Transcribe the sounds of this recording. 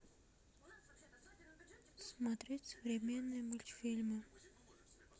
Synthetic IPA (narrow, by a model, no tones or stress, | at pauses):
smɐt̪ɾʲetʲsəvɾʲɪmʲenːɨjəmɨlʲt̪ʲfʲilʲmɨ